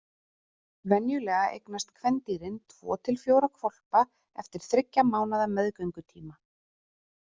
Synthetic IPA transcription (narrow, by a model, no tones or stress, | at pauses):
vɛnjʏlɛːɣaʔḛjknast̪kʰvɛnt̪iːɾɪnt̪ʰvɔ̰ːt̪ʰɪlfjoːwɾakʰvɔl̥pa | ɛft̪ɪɾ̥θɾɪcːamaːwnaðamɛðkœɥŋkʏt̪ʰiːma